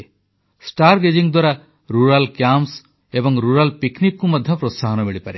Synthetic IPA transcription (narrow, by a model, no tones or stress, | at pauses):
sʈaɾɡed͡ʒiŋd̪waɾa | ɾuɾalkjams | ebɔŋɾuɾalpiknikːumɔd̪ʱjɔpɾosaɦɔnɔmiɭipaɾe